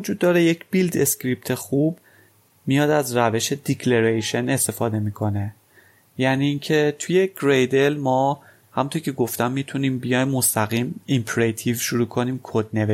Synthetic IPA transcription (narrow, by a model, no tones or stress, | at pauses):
od͡ʒuːd̪ːɒːɾeje̞cb̥ild̪escɾip̚t̪ʰe̞xub | mijɒːd̪æzræve̞ʃe̞d̪icʰleɾejʃe̞nest̪e̞fɒːd̪e̞miːkʰo̞ne̞ | jæniːŋcʰe̞t̪ʰujeɡɾejd̪e̞lmɒː | hæmunt̪ʰoɾcʰe̞ɡo̞ft̪æmːit̪ʰuniːmbijɒjːost̪æɣiːmimpʰɾet̪ʰivʃuɾuːkʰo̞niːmkʰod̪̚ne̞ve